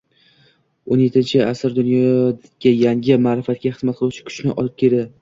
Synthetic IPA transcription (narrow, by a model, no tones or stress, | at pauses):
onjet̪ʰːɪnt͡ʃʰɪasɪɾd̪ʊnjɒ | ajaŋʲɪmaːɾɪfat̪̚kʲaχɨzmat̪̚qʰɨlˠuwt͡ʃʰɪ̥kʲʰʊ̥t͡ʃnɪʔɒ̰lˠɪp̚kʲʰe̞ɾd̪ɪ